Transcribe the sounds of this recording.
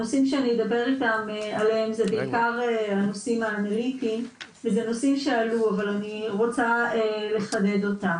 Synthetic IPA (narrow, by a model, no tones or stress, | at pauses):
nosimʃeanijed̪abe̞ʁitamealeemzebeikaʁeanosimaːnalitim | vezeno̞simʃealuavalaniʁo̞t͡saele̞χade̞d̪o̞tam